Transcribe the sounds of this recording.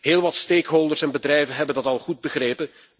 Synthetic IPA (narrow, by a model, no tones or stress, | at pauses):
ɦeːlˠʋɑtsteːkɦolˠdərsɛnbədrɛjvənɦɛbəndɑtɑlˠχud̚bəχreːpə